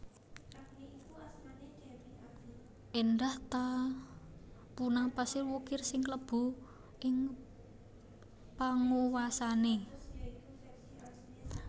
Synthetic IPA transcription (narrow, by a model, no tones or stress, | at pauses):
ʔendaht̪a | punapasɪlwukɪrsɪŋkləb̥ṳ | ʔɪŋ | paŋuwasane